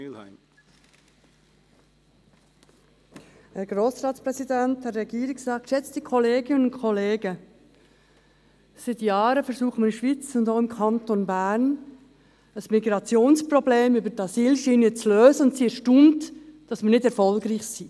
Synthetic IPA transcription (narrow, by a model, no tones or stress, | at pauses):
hɛɾɡ̥ɾoːsɾɑːtspɾɛsidæntːɛɾrɛɡiːɾɪksɑːk̚ʃɛt͡sd̥ikʰɔleːɡɪnənʊnkʰɔleːɡə | sɪt̪jɑːɾəfɛɾsuːχməɾɪʃʋit͡sʊndoʊɪmkʰɑnt̪onbæɾn | əsmiɡɾɑt͡sjoːnspɾɔbleːmybətɑsiːlʃiːnət͡sløːzəʊntsiɛɾʃtumtd̥ɑsmənɪdɛɾfɔlɡɾiːχsiː